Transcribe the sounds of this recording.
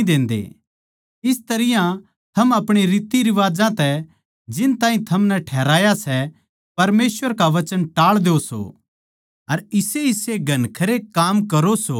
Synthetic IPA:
d̪ẽːnd̪ḛ | ɪst̪ɐɾɪjã | t̪ʰɐmɐpɽ̃iɾiːt̪iɾɪʋaːd͡ʒãt̪ɛ | d͡ʒɪnt̪ãːɦĩt̪ʰɐmnɛʈʰɛːɾaːjasɛ | pɐɾmeːsʋəɾkaʋɐt͡ʃənʈaːɭd̪eoso̰ | ɐɾɪseɪseɡʱɐnkʰɐɾekaːmkɐɾoso

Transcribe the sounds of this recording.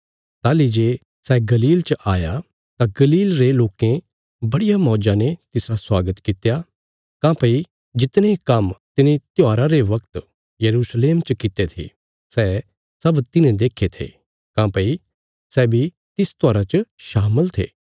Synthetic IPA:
t̪aːlid͡ʒeː | sɛɡɐliːlt͡ʃəʔaːja | t̪aɡɐliːlɾeloːkẽ | bɐɽijamɔːd͡ʒãnet̪ɪsɾaswaːɡət̪kɪt̪ja | kãːpɐi | d͡ʒɪt̪nẽkɐmt̪ɪnẽt̪jaːɾaɾeʋɐkt̪ | jɐɾuːsleːmt͡ʃəkɪt̪et̪ʰḭ | sɛː | sɐbt̪ɪnẽd̪eːkʰːet̪ʰḛː | kãːpɐi | sɛːbʱi | t̪ɪst̪aːɾat͡ʃəʃaːməlt̪ʰḛː

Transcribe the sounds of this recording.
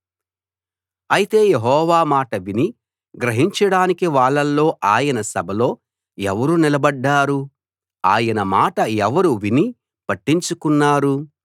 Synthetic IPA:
ɐjit̪e̞ːjeɦɔːʋaːmaːʈɐʋini | ɡɾɐɦiɲt͡ʃɐɽaːnikiʋaːɭːɐlːo̞ːʔaːjɐnɐsɐbʱɐlo̞ː | ɛʋɐɾunilɐbɐɖːaːɾu | aːjɐnɐmaːʈɐɛʋɐɾuʋini | pɐʈːiɲt͡ʃukunːaːɾu

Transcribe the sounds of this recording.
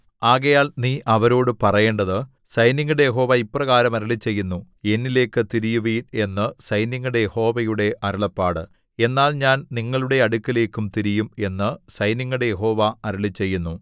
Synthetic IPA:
aːɣɐjaːlniːʔɐʋɐɾo̞ːɽɨpɐrɐje̞ːɳɖɐðɨ | sɐjniŋːuɽejeɦo̞ːʋɐipːrɐɣaːɾɐmɐɾɐɭit͡ɕːe̞jːunːu | e̞nːile̞ːkːɨt̪iɾijuʋiːne̞nːɨsɐjnjiŋːuɽe̞jeho̞ːʋɐjuɽe̞ʔɐɾɐɭɐpːaːɽɨ̰ | e̞nːaːlɲaːnniŋːɐɭuɽe̞ɐɽukːile̞ːkːumt̪iɾijume̞nːɨsɐjniŋːuɽe̞je̞ɦo̞ːʋɐɐɾuɭit͡ɕːe̞jːunːu

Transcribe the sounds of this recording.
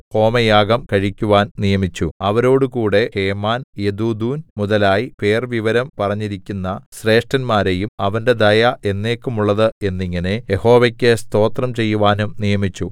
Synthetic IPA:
o̞ːmɐjaːɡɐmkɐɻikʲːuʋaːnnijɐmit͡ɕːuɐʋɐɾo̞ːɽukuːɽe̞he̞ːmaːnjed̪uːd̪uːnmuðɐlaːjipe̞ːrʋiʋɐɾɐmpɐrɐɲːiɾikʲːunːɐɕre̞ːʂʈɐnmaːɾe̞jumɐʋɐnde̞d̪ɐjɐʔe̞nːe̞ːkːumuɭːɐðɨe̞nːiŋːɐne̞je̞ho̞ːʋɐkʲːest̪o̞ːt̪rɐmt͡ɕe̞jːuʋaːnumnijɐmit͡ɕːu

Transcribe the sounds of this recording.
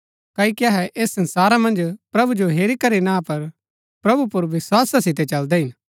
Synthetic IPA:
kaːikiɐɦɛʔeːsːɐ̃nsaːɾamɐ̃nd͡ʒpɾɐbud͡ʒoɦeːɾikɐɾinapɐɾ | pɾɐbupʊɾʋɪswaːsasɪt̪ɛt͡ʃɐld̪ɛɦɪn

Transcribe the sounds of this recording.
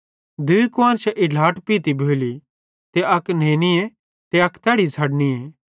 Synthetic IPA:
d̪uikʊãːnt͡ʃʰɛʔɪlaːʈpiːt̪ibʱoːli | t̪eʔɐknẽːnie | t̪eɐkt̪ɛːɽisʰɐɽnieː

